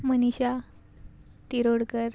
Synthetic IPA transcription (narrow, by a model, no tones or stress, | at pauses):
məniɕa | t̪iɾoɽkəɾ